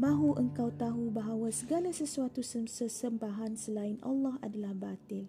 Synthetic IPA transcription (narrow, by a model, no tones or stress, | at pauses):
mãɦuʔəŋkawt̪aɦubaɦawasəɡalasəsuat̪usəsəsəmbaɦansəlaɪnʔa̰lːɑha̰dalahbat̪ɪl